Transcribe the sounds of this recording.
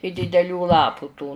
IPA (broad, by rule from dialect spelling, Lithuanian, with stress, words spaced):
ɪ dʲɪdʲɛˈlʲuː ˈlˠɑːpʊ tuː